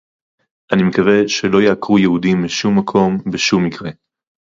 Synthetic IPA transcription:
ʔanimekave̞ʃelo̞jeakʁujehudimbiʃumːakʰo̞mbeʃumːikʁe̞

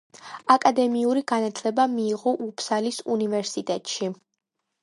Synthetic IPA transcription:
akʼad̪ɛmiuɾiɡanat̪ʰlɛbamiːʁɔʔupʰsalisunivɛɾsit̪ʼɛt̪ʼʃi

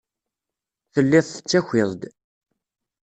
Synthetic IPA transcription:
θəlːɪðˤθə̥t͡sːæçʷɪðˤd̪

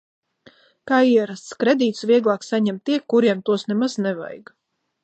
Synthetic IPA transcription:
kaːiɛɾast̪skɾed̪iːt̪sviɛɡlˠaːksaɲɛmt̪ːiɛkːuɾiɛmt̪uɔsnɛmaznɛva̰jɡ

